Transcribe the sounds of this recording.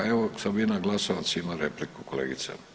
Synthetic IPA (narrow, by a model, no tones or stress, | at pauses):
eʋosabinaɡlasoʋasimaɾeplikukolḛɡit̪sḛ